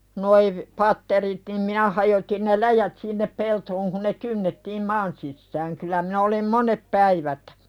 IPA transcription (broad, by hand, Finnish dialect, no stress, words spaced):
noi ʋ pɑtːerit nim minæ hɑjotin ne læjæt sinːep peltoːŋ kun ne kynːetːiːm mɑːn sisːæːŋ kylːæ minæ olim monep pæiʋæt